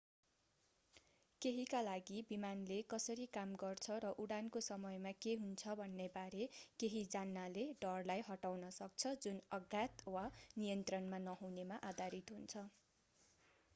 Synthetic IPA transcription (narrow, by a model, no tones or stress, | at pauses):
keɦikalaɡibimanlekʌsʌɾikamɡʌrt͡sʰʌɾʌʔuɽankosʌmʌjmakeɦunt͡sʰʌbʱʌnːebaɾekeɦid͡zanːaleɖʌrlajɦʌʈawnʌsʌk̚t͡sʰʌd͡zunʌɡat̪wanijʌnt̪rʌnmanʌɦunemaʔad̪ʱaɾit̪ɦunt͡sʰʌ